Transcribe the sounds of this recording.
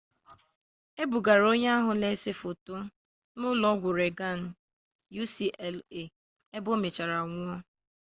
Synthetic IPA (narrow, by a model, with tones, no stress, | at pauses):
e˦bu˨ɡa˨ɾo˦ɲe˦a˦ɦʊ˨ne˦sɪ˦fo˨tʊ˦ | nʊ˦lɔ˦ɡʷʊ˨ɾe˨ɡa˦˨n̩˨ | ju˦si˨le˨ | e˦bʊ˦me˨t͡ʃa˨ɾa˨ŋʷʊ˦ɔ˦